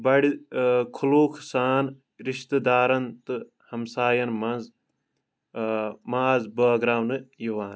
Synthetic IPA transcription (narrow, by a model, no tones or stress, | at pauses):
bɐɽikʰuluːkʰsaːn | ɾiʃt̪ɨd̪aːɾɐnt̪ɨ | hɐmsaːjɐnmɐnz | maːzbɐːɡɾaːwnɨjiʋaːn